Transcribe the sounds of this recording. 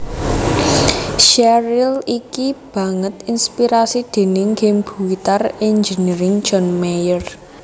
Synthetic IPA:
ʃɛɾilikib̥ä̤ŋət̪inspiɾasid̪̥e̤nɪŋɡemb̥uwit̪arend͡ʒəniɾɪŋ̥ʒ̥ɔnmejər

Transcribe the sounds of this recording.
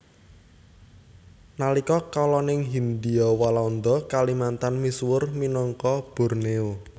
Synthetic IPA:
nalikɔkalɔnɪŋɦind̪iɔwalaund̪ɔkalimant̪anmiswʊrminɔŋkɔb̥ɔ̤rneu

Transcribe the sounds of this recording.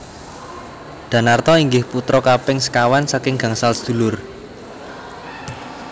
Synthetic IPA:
d̪̥a̤nart̪ɔiŋɡɪhput̪ɾɔkapɪŋsə̥kawansakɪŋɡ̥ä̤ŋsalsd̪̥ṳlʊr

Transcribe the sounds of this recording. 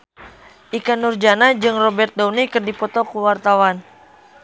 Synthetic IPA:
ʔikanurd͡ʒanad͡ʒɨŋrɔbɛrt̪̚dɔwnikɨrdipɔt̪ɔkuwart̪awan

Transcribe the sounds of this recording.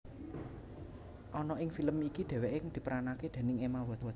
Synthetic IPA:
ʔɔnɔɪŋfiləmikid̪̥ɛ̤weʔekŋd̪̥i̤pəɾanaked̪̥ɛ̤nɪŋemawɔt̪w

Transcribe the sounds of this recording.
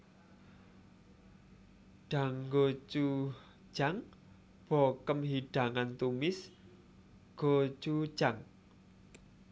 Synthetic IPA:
ɖ̥a̤ŋɡot͡ʃu̥ | ʒ̥aŋ | b̥okəmɦiɖ̥a̤ŋant̪umɪs | ɡ̥ot͡ʃud̥ʒ̥aŋ

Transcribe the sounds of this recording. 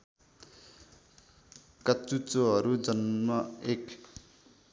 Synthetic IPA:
kʌt͡sut͡soɦʌɾud͡zʌnmʌek

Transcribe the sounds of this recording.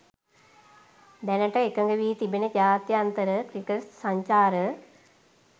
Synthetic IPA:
d̪ɛnəʈəekəŋɡəʋiːt̪ibenəd͡ʒaːt̪jːnt̪əɾəkɾikesaɲt͡ʃaːɾə

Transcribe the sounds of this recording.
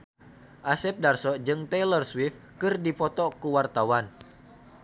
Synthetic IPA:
ʔasɛp̚darsɔd͡ʒɨŋt̪ɛlərswif | kɨrdipɔt̪ɔkuwart̪awan

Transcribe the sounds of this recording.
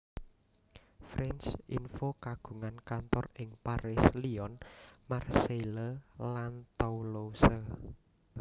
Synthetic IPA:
fɾɛnt͡ʃinfokaɡ̥ṳŋankant̪ɔrɪŋpaɾɪsliɔnmarseləlant̪ɔulosə

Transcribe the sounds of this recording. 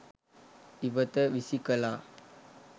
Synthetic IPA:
ibət̪əʋisikəla

